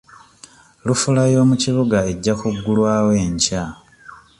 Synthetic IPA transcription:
lufulajo̞ːmuciβuɡae̞ɟːakuɡːulwaːwe̞ːɲca

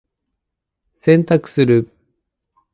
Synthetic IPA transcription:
sẽ̞nt̪akɯ̟̥sɨɾɯ

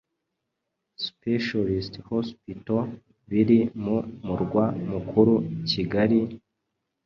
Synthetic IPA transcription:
speʃalisthospito | βiɾimumuɾɡwamukʰuɾuciɡaɾi

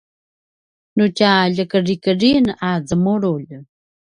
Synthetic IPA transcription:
nucaʎəkərikərinazəmuɾuʎ

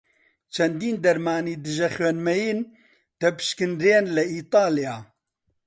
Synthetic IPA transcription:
t͡ʃʰɛnd̪iːnd̪ɐɾmaːniːd̪ɨʒɛxɥɛnmɛjiːn | t̪ɛpɨ̥ʃkɨnɾeːnlɛiːt̪ˤɑːlijaː

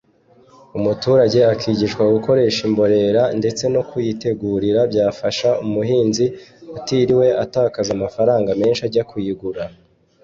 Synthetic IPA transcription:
umutuːɾaɟe̞akʰiːɟiʃkwaɡuko̞ɾe̞ːʃimbo̞ɾe̞ɾande̞t͡se̞nokujite̞ɡuːɾiɾabɟaːfaʃaumuɦiːnziatiɾiwe̞ʔataːkazamafaɾaːŋɡame̞ːnʃaɾɟakujiɡuɾa

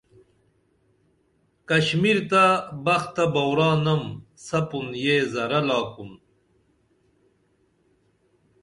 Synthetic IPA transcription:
kɐɕmiɾt̪abɐxt̪ɐbɐwɾaːnɐmsɐpunjeːzɐɾɐlaːkun

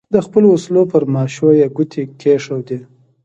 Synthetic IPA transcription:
d̪əxpəloːslopəɾmɑʃojaɡut̪ʰikeʂawd̪i

